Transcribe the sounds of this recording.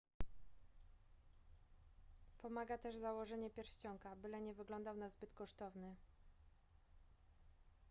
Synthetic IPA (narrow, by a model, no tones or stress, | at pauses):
pɔmaɡat̪ɛʐzawɔʐɛɲɛpʲjɛɾɕt͡ɕɔŋkabɘlɛɲɛvɘɡlɔnd̪awnazbɘt̪kɔʂt̪ɔvnɘ